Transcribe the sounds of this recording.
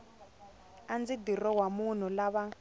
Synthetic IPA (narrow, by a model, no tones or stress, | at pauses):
and͡zidirɔwamun̤ulaβa